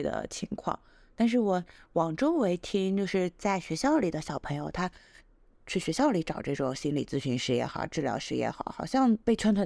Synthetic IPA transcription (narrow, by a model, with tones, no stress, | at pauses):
d̪ə̰˩t͡ɕʰi˧˥ŋkʰwɑ̰˥˩ŋ | t̪a˥˧nʂ̬ɻ̩˥˩wɔ˨˧˥wɑ˨˩ŋʈ͡ʂo˥ʊwe˧˥ɪt̪ʰi˥ŋt͡ɕjo˥˧ʊʂɻ̩˥˧t͡sa˥˩ɪɕɥɛ˧˥ɕjɑ˥˩ʊli˨˩d̪ə˦ɕjɑ˨˩ʊpʰɤ˧˥ŋjo˨˧ʊt̪ʰa˥ | t͡ɕʰy˥˩ɕɥɛ˧˥ɕjɑ˥˩ʊli˧˥ʈ͡ʂɑ˨˩ʊʈ͡ʂɤ˥˩ʈ͡ʂʊ˨˩ŋɕi˥nli˨˩t͡sɹ̩˥˧ɕy˧˥nʂɻ̩˧˥jɛ̰˥˩xɑ̰˨˩ʊʈ͡ʂɻ̩˥˩ljɑ̰˧˥ʊʂɻ̩˧˥jɛ̰˥˩xɑ̰˨˩˦ʊxɑ˨˩ʊɕjɑ˥˧ŋpe˥˩ɪʈ͡ʂʰwa˥nt̪ʰwə˨˩